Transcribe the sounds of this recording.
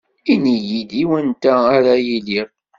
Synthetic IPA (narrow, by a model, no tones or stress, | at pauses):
inijid̪iwənt̪æːɾajiliʁ